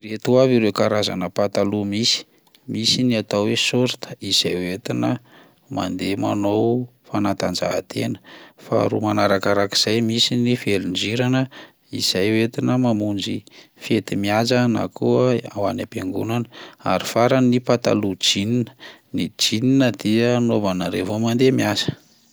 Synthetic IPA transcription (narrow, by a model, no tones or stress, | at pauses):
ret̪uaviɾewkaɾaza̰nəpat̪alumisi̥ | misiniat̪awwesoɾit̪ə̥iz̥ajwet̪inə | ma̰nd̪ema̰nowfanat̪and͡ʒa̰ɦa̰t̪ʰenə̥fa̰ɾumanaɾakaɾaki̥z̥ajmisinifelind͡ʒiɾanə | iz̥ajwet̪inəmamund͡ʒifet̪imiazana̰kuəawanapeŋɡunanəa̰ɾifaɾanipat̪a̰lud͡ʒininə̥nid͡ʒininəd̪̥iənovanaɾevomand̪emiazə̥